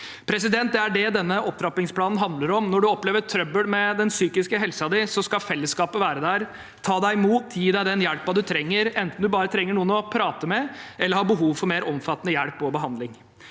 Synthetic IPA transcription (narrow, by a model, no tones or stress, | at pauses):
pʰɾɛs̬ɪd̪ɛnt̪̚d̪ɛæɖɛd̪ɛnːəʔɔp̚t̪ʰɾɑpɪŋspʰlɑːnn̩ɦɑnd̪ləɾɔmnɔɖʉɔpleːʋəʈ̪ʰɾœbəlmɛd̪ɛnsyːkɪskəɦɛlsəɑd̪ɪsɔskɑfɛlːəskɑːpəʋæːɾəd̪æɾ | t̪ʰɑːd̪æɪmuːt̪ʰjiːd̪æɪd̪ɛnjæɽpʋɑːd̪ʉt̪ʰɾɛŋːəɾɛnt̪n̩d̪ʉbɑːɾət̪ʰɾɛŋːəɳuːənɔpʰɾɑːt̪əmɛʔɛlːəɾhɑːɾbəɦuːʋfɔɾmeːɾʔɔmfɑt̪ːənəjæɽpːɔbəɦɑnd̪lɪŋ